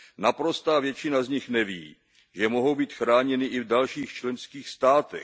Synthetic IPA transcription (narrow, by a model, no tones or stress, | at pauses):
napɾo̞st̪aːvjɛt͡ʃɪnazɲɪxnɛviː | ʒɛmo̞ɦo̞wbiːt̪xɾaːɲɛnɪʔɪvdalʃiːxt͡ʃlɛnskiːxst̪aːt̪ɛ̰